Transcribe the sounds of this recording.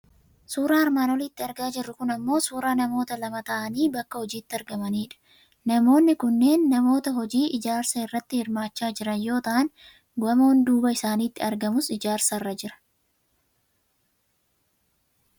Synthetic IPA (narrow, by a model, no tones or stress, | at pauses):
suːɾaːɐɾmaːnɔliːt̪ːɪɐɾɡaːd͡ʒɪrːʊkʊnɐmːo̞ːsuːɾaːnɐmo̞ːt̪ɐlɐmɐt̪ɐʔɐniːbɐkːɐhɔd͡ʒiːt̪ːɪɐɾɡɐmɐniːᶑɐ̥ | nɐmo̞ːnːɪkʊnːe̞ːnːɐmo̞ːt̪ɐɦɔd͡ʒiːʔɪd͡ʒaːɾsɐɪrːɐt̪ːɪhɪɾmaːt͡ʃːaːd͡ʒɪɾɐnjo̞ːt̪ɐʔɐn | ɡɐmɐhʊnd̪uːbɐɪsaːniːt̪ːɪɐɾɡɐmʊsɪd͡ʒaːɾsɐrːɐd͡ʒɪɾɐ̥